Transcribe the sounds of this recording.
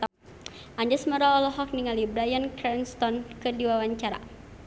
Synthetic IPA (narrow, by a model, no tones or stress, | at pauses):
ʔaɲd͡ʒɛsməɾaɔlɔɦɔk̚niŋalibɾajankɾɛnst̪ɔnkədiwawaɲt͡ʃaɾa̰